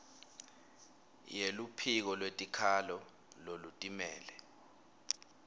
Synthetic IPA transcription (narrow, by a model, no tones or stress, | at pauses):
jelupʰik̬ɔlwetʼikʰalɔ | lolutʼimɛːlɛ